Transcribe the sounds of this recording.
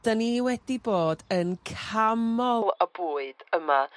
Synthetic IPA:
d̥əniwɛdiboːdənkʰamɔəb̥uːɨd̥əma

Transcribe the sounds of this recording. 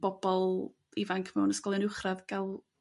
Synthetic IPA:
b̥ɔbɔlˠ | ivaŋkʰmɛwnəskɔlˠɛnʊwχraðɡalˠ

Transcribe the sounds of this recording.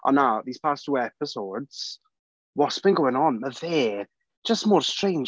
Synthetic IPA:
ʔə̰̃nːaʊðiːz̥pʰastʰuːɛpɪsodz̥ | wɔtsb̥ɪ̃nɡoʊɪ̃ŋə̃nməðe̥ | ʒ̥ʌstmɔːɹstɹ̥ẽɪ̃nd͡ʒ

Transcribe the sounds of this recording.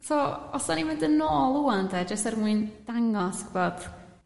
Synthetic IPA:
soɔsanimvɪndənoːlˠuandɛd͡ʒəstɛrmwɨnd̥aŋɔskb̥oːd̥

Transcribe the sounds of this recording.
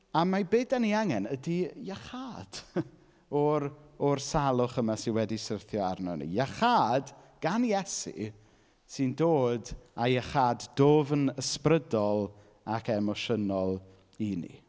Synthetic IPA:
amabeːdaniaŋɛnədijaχaːd̥ | ɔɾɔrsalˠʊχəmasɪnwɛdisərθjɔarnɔ̰nḭjaχaːd | ɡ̥anjɛsḭ | sɨndoːdajəχaːddoːvənəsprədɔlˠ | akʰɛmɔʃənɔlˠ | inḭ

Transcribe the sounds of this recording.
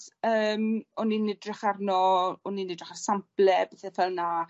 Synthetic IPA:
əːmɔninɛdrɪχarnɔɔninɪdrɪ̥χarsamplɛbɛθɛfɛlˠna

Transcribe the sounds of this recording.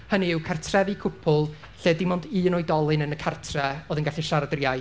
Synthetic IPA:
həniɪwkʰartʰrɛvɨkʰʊpʰʊlˠ | ɬeːdɪmɔndiːnɔjdɔlˠɨnənəkʰartʰrɛoːðənɡaɬiʃaɾadrjaj

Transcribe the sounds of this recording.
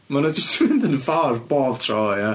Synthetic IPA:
manad͡ʒəstwɪnðənəfarboːv̥tʰrɔːja

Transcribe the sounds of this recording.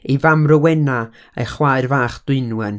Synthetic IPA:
ivamrəwɛna | ḛχwaɨrvaːχd̥wɪnwɛn

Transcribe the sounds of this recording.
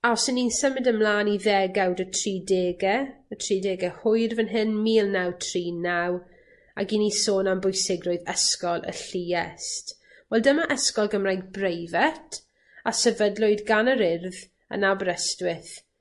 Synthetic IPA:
asɪninsəmɪdəmlˠaːniðɛɡawdətʰriːdeːɡɛətʰriːdeːɡɛhʊjrvənɦɪnmiːlˠnawtʰriːnaw | a̰ɡinisoːnambʊjsɪɡrʊɨðɛskɔlˠə̰ɬiɛst | wɛlˠdəmaʔəskɔlˠɡəmrajɡ̚brejvɛtʰ | asɛvədlˠʊɨdɡanəɾɪrð | ə̰nabɾɛstwɪθ

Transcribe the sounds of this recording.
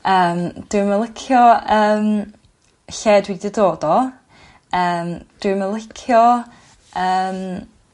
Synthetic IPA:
əːmd̥wɨməlˠɪkʰjɔəːm | ɬɛːdwidɛdoːdɔ | əːmd̥wɪməlˠɪkʰjɔ | əːm

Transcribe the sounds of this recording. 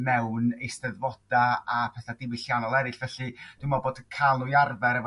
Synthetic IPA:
mɛwnejstəðvɔd̥aapʰɛθadɪwɪɬjanɔlˠɛɾɨɬvɛɬɨd̥wɪmɔboːdəkʰanʊjarvɛɾɛv

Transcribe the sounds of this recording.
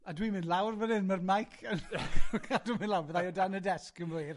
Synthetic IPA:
adwiːmɪ̃ndlˠawrvənɪnmərmajkʰənkʰaldumɪnlawvəðajɔdanədɛskənjr

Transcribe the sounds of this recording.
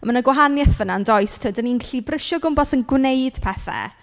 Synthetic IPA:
manəɡwaɦanjɛθənandɔɨstʰədəninkɬibrəʃɔɡʊmbɔsənɡwnejd̥pʰɛθɛ̰

